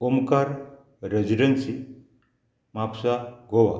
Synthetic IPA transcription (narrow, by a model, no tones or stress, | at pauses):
omkaɾ | ɾed͡ʒiɖənsi | mapsaɡowa̰